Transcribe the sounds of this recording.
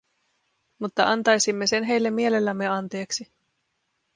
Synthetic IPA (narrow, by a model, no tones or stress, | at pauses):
mut̪ːɑʔɑnt̪ɑjsimːe̞se̞nɦe̞jlːe̞mːie̞le̞lːæmːe̞ɑnt̪e̞ːksi